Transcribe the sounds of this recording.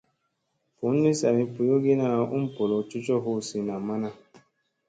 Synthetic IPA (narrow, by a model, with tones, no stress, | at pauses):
pu˨˦n̩˦ni˦sa˨ɾi˦pu˨jo˦ɡe˦na˦˨u˦m̩˦po˨lo˨t͡ʃu˦t͡ʃɔ˦ɦo˦˨si˨na˨ma˦na˦